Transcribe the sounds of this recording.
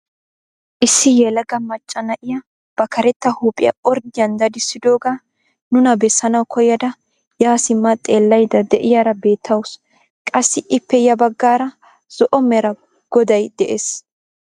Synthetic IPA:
ʔɪsːɪjɛlɐɡɐmɐt͡ʃʼːɐnɐʔɪjɐ | b̥ɐkʰɐɾɛt̪ːɐhuːpʼɪjɐ̰ɔɾd̪ɪjɐnd̪ɐd̪ɪsːɪd̪o̞ːɡaː | nʊnɐbɛsːɐnɐwkʰɔjːɐd̪ɐ | jaːsɪmːɐt̪ʼe̞ːlːɐjd̪ɐd̪ɛʔɪjaːɾɐbe̞ːt̪ʰːɐwʊs | kʼɐsːɪʔɪpːɛjɐbɐɡːaːɾɐ | z̥ɔʔɔmɛɾɐ | ɡ̥ɔd̪ɐjd̪̥ɛʔeːs

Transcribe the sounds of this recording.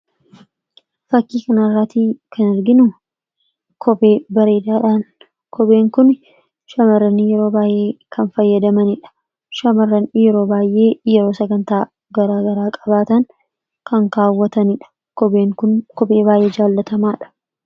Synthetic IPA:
fɐkːiːkɐnɐrːaːt̪iːkʰɐnɛɾɡɪnʊ | kʰɔbeːbɐɾe̞ːd̪aːᶑaːn | kɔbe̞ːŋkʊn | ʃɐmɐrːɐnɪjɛɾoːbaːjʔe̞ːkʰɐnfɐjːɐd̪ɐmɐnɪᶑɐ̥ | ʃɐmɐrːɐnjɛɾo̞ːbaːjʔe̞ːjɛɾo̞ːsɐɡɐnt̪aː | ɡɐɾaːɡɐɾaːkʼɐbaːt̪ɐŋ | kɐŋkaːwːɐt̪ɐnɪᶑɐ̥ | kɔbeːŋkʊnkɔbe̞ːbaːjʔe̞ːd͡ʒaːlːɐt̪ɐmaːᶑɐ̥

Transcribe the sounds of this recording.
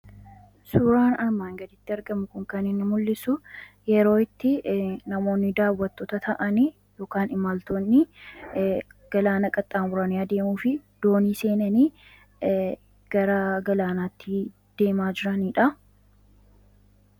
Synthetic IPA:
sʊɾaːnɐɾmaːŋɡɐd̪ɪt̪ːɪɐɾɡɐmʊkʊŋkɐnɪnːɪmʊlːɪsʊ | jɛɾo̞ːɪt̪ːɪnɐmo̞ːnːɪd̪aːwːɐt̪ːoːt̪ɐt̪ʰɐʔɐni | jo̞ːkaːnɪmalt̪oːnːɪ | ɡ̥ɐlaːnɐkʼɐt̪ʼːaːmbʊɾɐnɪjaːd̪e̞ːmuːfɪd̪̥o̞ːniːse̞ːnɐniː | ɡ̥ɐɾɐɡɐlaːnaːt̪ːɪ | d̪̥e̞ːmaːd͡ʒɪɾɐniːᶑɐ

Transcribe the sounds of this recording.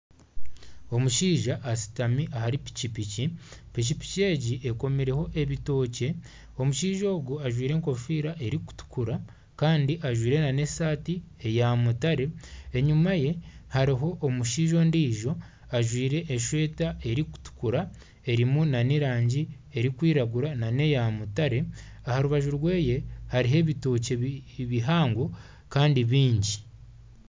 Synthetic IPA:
o̞muʃiːʒaʔːsi̥tamiʔahaɾipi̥cipicipicipi̥ce̞ːɟiʔeko̞miɾe̞ho̞ʔe̞βito̞ːce̞ | o̞muʃiːʒoːɡuaʒwiːɾe̞ːŋko̞fiːɾaʔe̞ɾiku̥tu̥kuɾa | kaːndiʔaʒwiːɾe̞nanesaːti | e̞jamutaɾe̞ːɲumaje̞haɾiɦo̞ʔːmuʃiːʒo̞ndiːʒo̞ | aʒwiːɾe̞ʔːʃwe̞ːtae̞ɾiku̥tu̥kuɾa | e̞ɾimunaniɾaːɲɟi | e̞ɾikwiːɾaɡuɾanane̞jamutaɾe̞ | ahaɾuβaʒuɾwe̞ːje̞haɾiɦe̞βitoːceβiɦaːŋɡo̞ | kaːndiβiːɲɟi

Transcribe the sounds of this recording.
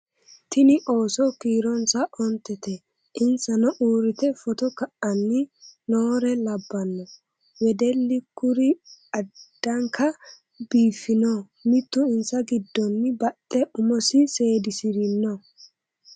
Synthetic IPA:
t̪ɪnɪʔo̞ːsɔkiːɾɔnsɐʔɔnt̪ːɛt̪ɛ | ʔɪnsɐnɔʔuːɾɪt̪ɛfɔt̪ɔkɐʔɐnːɪnoːɾɛlɐbːɐnːɔ | wɛd̪ɛlːɪkʊɾɪɐd̪̥ːɐŋkɐ | biːfːɪnɔ | mɪt̪ːʊɪnsɐɡɪd̪ːɔnːɪbɐtʼːɛʔʊmɔsɪse̞ːd̪ɪsɪɾɪnːɔ

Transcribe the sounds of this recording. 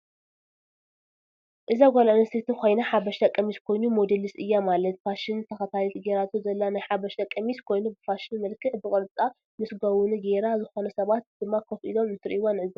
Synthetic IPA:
ʔɨzaɡʷolanɐst̪ʰet̪ʰikʰo̞jnaħabɐʃt̪ʰɐkʼːɐmiskʰo̞jnumod̪elisɨjːamalɐt̪̚faʃɪnt̪ʰɐxɐt̪ʰalit̪ɡeɾat̪ʰuzɐlːanajħabɐʃt̪ɐkʼːɐmiskʰo̞jnubɨfaʃɪnmɐlkʰɨħbɨkʼɨɾt͡sʼa | mɨsɡɐwunɡeɾazɨxo̞nɐsɐβat̪̚d̪̥ɨmːakʰɐfʔḭlo̞mɨnt̪ʰɨɾʔiwonɨʕɨzi

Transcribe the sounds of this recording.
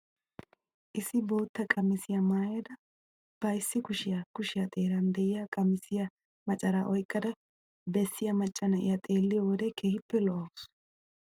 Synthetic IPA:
ʔɪsːɪbo̞ːt̪ːɐkʼɐmːɪsɪjɐmaːjɐd̪ɐ | b̥ɐjɪsːɪkʊʃɪjɐkʊʃɪjɐt̪ʼe̞ːɾɐnd̪ɛjɪjɐkʼɐmːɪsɪjɐ | mɐt͡ʃʼɐɾaːʔɔjkʼːɐd̪ɐ | bɛsːɪjɐmɐt͡ʃʼːɐnɐʔɪ̰jɐt̪ʼe̞ːlːɪjɔwɔd̪ɛkʰeːhɪpːɛlɔʔɐwʊs

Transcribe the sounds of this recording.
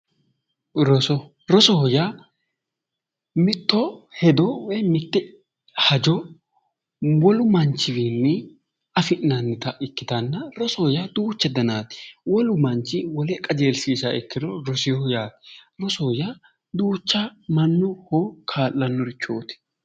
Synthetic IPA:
ɾɔsɔ | ɾɔsɔhɔja | mɪt̪ːɔhɛd̪ɔwɛmɪt̪ːɛ | hɐd͡ʒɔ | wɔlʊmɐnt͡ʃːɪwiːnːɛ | ɐfɪʔːɐnːɪt̪ɐʔɪkːɪt̪ɐnːɐɾɔsɔhɔjad̪uːt͡ʃːɛd̪ɐnaːt̪wɔlʊmɐnt͡ʃːɪwɔlɛkʼːɐd͡ʒeːlsiːsɐɛkːɪd̪ɔɾɔsɪɔjaːt̪ɾɔsɔhja | d̪uːt͡ʃːamɐnːʊhɔkʰaːlːɐnːɔɾɪt͡ʃːoːt̪ɪ̥

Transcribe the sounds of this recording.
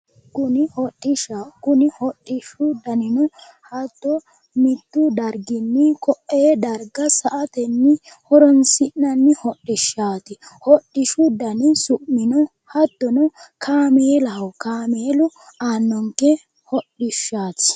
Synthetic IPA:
kʊnɪhɔɗʼːɪʃakʊnɪhɔɗʼːɪʃʊd̪ɐnɪnɔ | hɐt̪ːɔ | mɪt̪ːʊd̪ɐɾɡɪnːɪkɔʔːeːd̪ɐɾɡɐsɐʔɐt̪ɛnːɪ | hɔɾɔnsɪnnɐnːɪhɔɗːɪʃːaːt̪ɪhɔɗːɪʃʊd̪ɐnɪsʊʔːɪnɔ | hɐt̪ːɔnɔkʰaːmeːlɐwkaːmeːlʊaːnːɔŋkɛ | hɔɗɪʃːaːt̪

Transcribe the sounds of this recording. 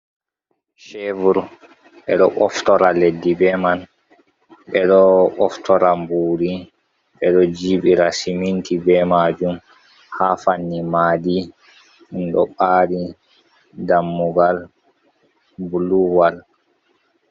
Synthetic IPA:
ʃevuɾ | ɓɛɗɔʔɔftɔɾaledːibɛman | ɓɛɗɔɔftʰɔɾambuːɾi | ɓɛɗɔd͡ʒiːɓiɾasimintibɛmaːd͡ʒum | hafanːimaːdi | unɗɔɓaːɾi | damːuɡal | buluwal

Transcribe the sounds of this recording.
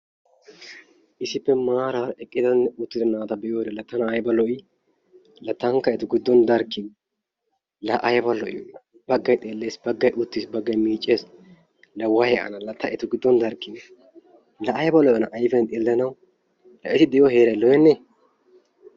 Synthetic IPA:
ʔɪsɪpːɛmaːɾaːɾɛkʼːɪd̪ɐnːɛʊt̪ːɪd̪ɐnaːt̪ɐbɛʔjoːd̪ɛlɐt̪ːɐnɐɐjbɐlɔʔɪ | lɐt̪ːɐŋkɐɛt̪ʊɡɪd̪ːɔnd̪ɐɾkːɪn | lɐʔɐjbɐlɔʔɪ̰jɔ̰nɐ | b̥ɐɡːɐjt̪ʼe̞ːlːe̞ːsbɐɡːɐjʔʊt̪ːisbɐɡːɐjmiːt͡ʃʼːeːs | lɐwɐjɛʔɐ̰nɐlɐt̪ːɐʔɛt̪ʊɡɪd̪ːɔnd̪ɐɾkːɪn | lɐʔɐjbɐlɔjɔnɐʔɐjfɛnt̪ʼeːlːɐnɐw | lɐ̰ʔɪt̪ɪd̪ɛjohe̞ːɾɐjlɔjɛnːe

